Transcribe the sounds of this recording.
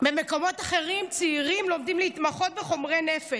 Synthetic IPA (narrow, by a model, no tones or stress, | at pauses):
bemeko̞mo̞taχe̞ʁimt͡siiʁimlo̞mdimleit̪maχo̞t̪̚beχo̞mʁenefe